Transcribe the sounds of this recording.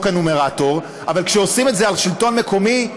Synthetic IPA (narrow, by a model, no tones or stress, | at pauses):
kanomeʁato̞ʁ | a̰valkʃeosime̞tzealʃilto̞nmeko̞mi